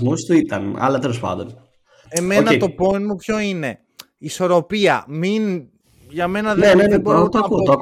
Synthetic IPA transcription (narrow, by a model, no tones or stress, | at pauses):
musst̪uit̪ɐnɐ̰lɐt̪e̞lo̞spɐ̰nd̪on | emenɐet̪o̞po̞inmupço̞ine̞ː | so̞ɾo̞piɐ̰min | ʝɐme̞nɐðneenebɾoot̪oɐut̪oɐk